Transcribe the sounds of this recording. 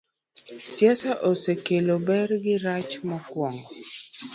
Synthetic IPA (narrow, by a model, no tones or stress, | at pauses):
sjɛsaʔosekelobɛrɡɪɾat͡ʃmakwɔŋɔ